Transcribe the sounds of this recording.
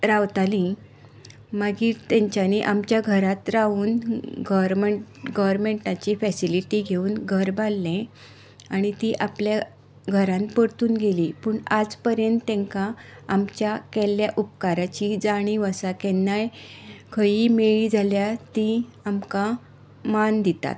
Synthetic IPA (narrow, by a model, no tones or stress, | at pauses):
ɾaʋt̪alĩ | maɡiːɾt̪ɛ̃ɲt͡ɕjaniʔamt͡ɕjaɡʱəɾat̪ɾaʋuːnɡɔɾmeɡɔʋɾmeɳʈat͡ɕifɛsiliʈiɡʱeuːnɡʱəɾbʱalːɛ̃ | aɽ̃it̪iʔaplja | ɡʱəɾãnpəɽt̪uːnɡʱeliːpəːɳad͡zpəɾjənt̪ːɛ̃ŋkaamt͡ɕjakɛljaʔup̚kaɾat͡ɕid͡zaɽ̃iʋəsakɛnːajkʰəiːmeɭiːd͡zʱaljat̪i | amka | mand̪it̪a̰t̪